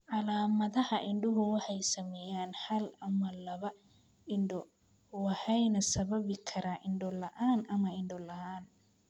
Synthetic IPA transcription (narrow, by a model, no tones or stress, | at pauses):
ʔɑlaːmɐðɐhɐʔɪɳɖʊɦʊwɑħɑjsɐmɛːjaːnhɐlɐmɐlɐβɐ | ɪɳɖɔ | wɑħɛjnɐsɐβɐβɪkʰɐɾaːʔɪɳɖɔlɐʔaːnʔɐmɐɪɳɖɔlɐhaːn